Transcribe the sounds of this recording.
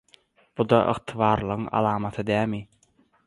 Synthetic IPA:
b̥ud̪ɑʔɯ̰qt̪ʰɯβɑːɾlˠɯʁɯŋɑ̰lˠɑːmɑt̪ʰɯd̪æːmi

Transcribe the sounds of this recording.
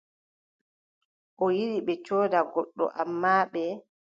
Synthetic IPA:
ʔɔjiɗiɓɛt͡ʃɔːdaɡɔɗːɔ̰ʔamːaːɓɛ

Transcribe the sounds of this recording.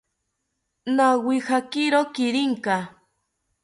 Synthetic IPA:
nawihakiɾokiɾiŋka

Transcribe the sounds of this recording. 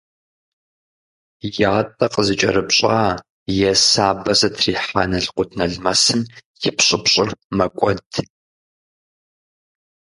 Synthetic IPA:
jaːtʼɐqəzɨt͡ʃʼɐɾɨpɕʼaː | jɛsaːbɐzɐtʰriːħanɐɬqʷʊtʰnɐɮmɐsɨnjɪpɕʼɪpɕʼɪrmɐkʷʼɔd̥

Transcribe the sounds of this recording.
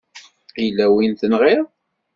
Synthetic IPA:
ilːæwinθənʁɪʁˤ

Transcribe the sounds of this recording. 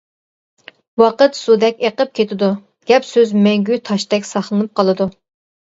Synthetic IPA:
wɑqət̪sud̪ɛkʲeqəp̚kʲʰet̪ʰɪd̪u | ɡ̥ʲɛpsøzmɛŋɡʲyt̪ʰɑʃt̪ɛkʲsɑχlˠɨnɨp̚qʰɑlˠɨd̪u

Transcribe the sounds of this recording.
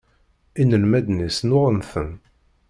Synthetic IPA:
inəlmæd̪nisnʊʁˤənθən

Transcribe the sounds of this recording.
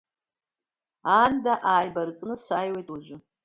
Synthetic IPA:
andaʔaːjbarkʼnɨsaːjwejtʼud͡ʒʷʊ

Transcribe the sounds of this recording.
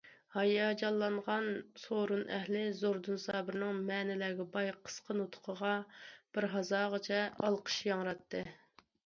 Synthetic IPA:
hɑjɑːd͡ʒɑlˠːɑɴʁɑnsoɾunʔɛ̰ɦlɪzoɾd̪unsɑːbɪɾnɨŋmɛːnɪlɛːɡʲɛbɑjqʰə̥sqʰənut̪ʰʊ̥qʰəʁɑb̥ɪɾɦɑzɑːʁət͡ʃʰɛʔɑlˠqʰə̥ʃjɑŋɾɑt̪ːɨ

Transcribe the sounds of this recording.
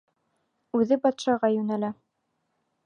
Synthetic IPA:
ʉðɘbɑt̪ʃɑʁɑjʉnælæ

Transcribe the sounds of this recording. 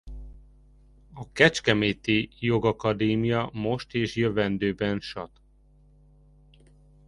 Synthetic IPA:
ɒkɛt͡ʃkɛmeːt̪ijo̞ɡɒkɒd̪eːmijɒmo̞ʃt̪eːʃjøvɛnd̪øːbɛnʃɒt̪

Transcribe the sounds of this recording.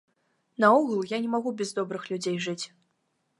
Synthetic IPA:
nɐɔɣlˠjanʲɛmaɣubʲɛzd̪ɔbɾɨxlʲud͡zʲejʐɨt͡sʲ

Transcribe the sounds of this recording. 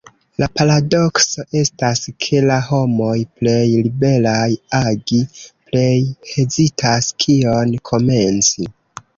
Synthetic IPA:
lapaɾado̞kso̞ʔe̞staskʰe̞laɦo̞mo̞jple̞jlibe̞lajaɡiple̞jhe̞zitʰaskʰio̞nkʰo̞me̞nt͡si

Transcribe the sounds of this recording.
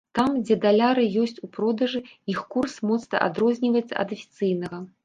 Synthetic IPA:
t̪amd͡zʲɛd̪alʲaɾɨjɔsʲt͡sʲupɾɔd̪ɐʐɨixkursmɔt̪snɐ̰ʔa̰d̪ɾɔzʲnʲivɐjɛt̪sɐ̰ɐ̰d̪ɐfʲi̥t̪sɨjnɐɣɐ

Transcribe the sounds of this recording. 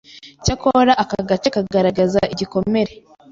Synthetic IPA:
cakoɾaʔakaɡat͡ʃakaɡɡaɾaɡazaiɟiko̞me̞ɾe̞

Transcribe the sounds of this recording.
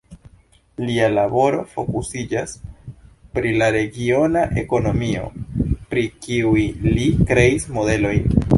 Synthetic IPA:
lialabo̞ɾo̞fo̞kusid͡ʒas | pɾilaɾe̞ɡio̞naʔe̞̰ko̞no̞mio̞̰pɾikiujlikɾe̞ismo̞de̞lo̞jn

